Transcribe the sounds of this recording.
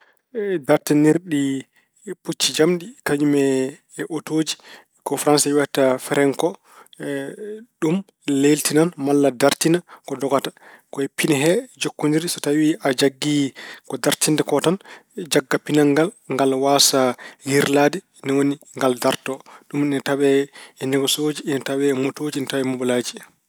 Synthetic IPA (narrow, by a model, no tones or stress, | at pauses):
daɾtɛniɾɗi | put͡ʃːid͡ʒamɗikad͡ʒumɛ | ʔotoːd͡ʒi | kɔfɾansawɛtafɛɾɛŋkɔ | ɗum | leltinanmalːadaɾtinakɔdɔɡatḁkɔɛpinɛɦɛd͡ʒokːundiɾisɔtawiʔad͡ʒaɡːikɔdaɾtindɛkɔtand͡ʒaɡːapinaŋɡalŋɡalwasahiɾladɛ | nawoni | ŋɡaldaɾtɔɗuminataɓɛɛnɛɡɔsoːd͡ʒiːnatawɛːmotoːd͡ʒiːnatawɛmubɔlad͡ʒi